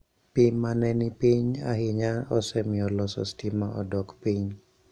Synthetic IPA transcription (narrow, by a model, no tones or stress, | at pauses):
pimanɛnipiɲa̰hɪɲaɔsɛmɪɔlɔsɔ̰stimaʔɔdɔkpiɲ